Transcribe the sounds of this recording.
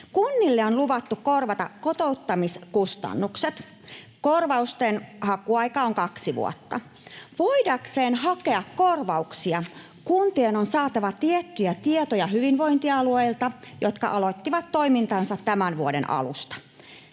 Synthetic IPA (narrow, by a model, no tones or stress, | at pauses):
kunːilːeonluʋɑt̪ːukko̞rʋɑt̪ɑkkot̪o̞ut̪ːɑmiskust̪ɑ̰nːukset̪ | ko̞rʋɑust̪enhɑkuɑjkɑoŋkɑksiʋṵo̰t̪ːɑ | ʋoidɑkse̞ːnɦɑke̞ɑkko̞rʋɑuksiɑ | kunt̪ienonsɑːt̪ɑʋɑt̪iet̪ːyjæt̪iet̪ojɑɦyʋinʋo̞int̪iɑlueilt̪ɑjot̪kɑ̰ʔɑlot̪ːiʋɑt̪to̞imint̪ɑnsɑt̪tæmænʋuodḛnʔɑ̰lṵst̪ɑ̥